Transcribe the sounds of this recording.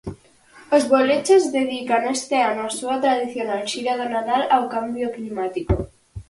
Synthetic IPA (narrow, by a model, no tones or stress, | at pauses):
ozβolet͡ʃezðeð̞ikanest̪eanoasuat̪ɾað̞iθjonalʃiɾað̞onat̪alawkambjoklimat̪iko